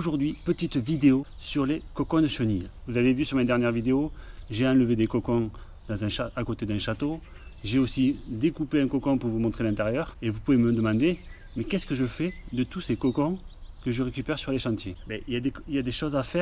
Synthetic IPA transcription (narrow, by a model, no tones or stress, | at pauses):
oʒuʁd̪ɥipət̪it̪vid̪eo | syʁlekɔkɔ̃d̪əʃənilvuzavevysyʁmed̪ɛʁnjɛʁvid̪eoʒeɑ̃ləved̪ekɔkɔ̃ | d̪ɑ̃zɛ̃ʃaakot̪ed̪ɛ̃ʃat̪o | ʒeosid̪ekupeɛ̃kɔkɔ̃puʁvumɔ̃t̪χelɛ̃nt̪eʁjœʁevupuveməd̪əmɑ̃d̪e | mekɛsə̥kəʒəfɛd̪ət̪usekɔkɔ̃kəʒəʁekʲypɛʁsyʁleʃɑ̃t̪jebɛiljad̪eiljad̪eʃɔzafɛʁ